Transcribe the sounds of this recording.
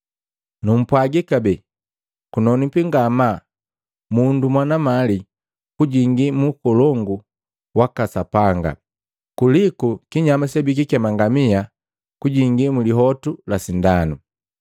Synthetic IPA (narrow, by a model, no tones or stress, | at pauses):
num̩pwaɡikabɛ | kunɔnipiŋɡama | mundumwanamali | kuɟiŋɡimukɔlɔŋɡu | wakasapaŋɡa̰ | kulikukiɲamasɛbik̬ikɛmaŋɡamia | kuɟiŋɡimuliɦɔtulasindanu